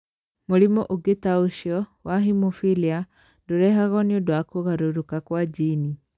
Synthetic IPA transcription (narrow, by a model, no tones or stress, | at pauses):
moɾimɔʔoɡetaoʃiɔwaɦimofilia | doɾɛɦaɣɔneodoakoɣaɾoɾokakwad͡ʒini